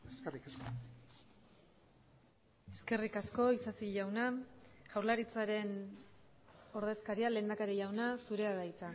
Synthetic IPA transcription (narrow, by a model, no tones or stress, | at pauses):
eskerikasko | e̞ske̞rikasko̞isasiʝawnaʝ̥awɾlaɾit͡saɾe̞n | o̞ɾðe̞skaɾiale̞ːnd̪akaɾiʝawnasuɾe̞aðajt͡sa